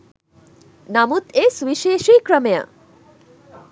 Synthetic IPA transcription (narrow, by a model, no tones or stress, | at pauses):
namut̪eswiʃeʃijkɾəmjə̰